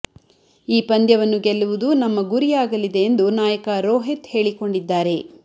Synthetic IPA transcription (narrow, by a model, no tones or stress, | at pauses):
iːpɐnd̪jɐʋɐnːuɡɛlːuʋud̪unɐmːɐɡuɾijaːɡɐlid̪e̞ːnd̪unaːjɐkɐɾoːɦet̪he̞ːɭiko̞ɳɖid̪ːaːɾe̞